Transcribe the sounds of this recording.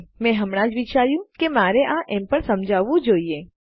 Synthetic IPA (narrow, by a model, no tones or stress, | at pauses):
mɛ̃ɦəmɽ̃ãd͡ʒʋit͡ʃaɾjũkemaɾeʔãʔɛ̃mpəɳsəmd͡ʒʱaʋũd͡ʒoie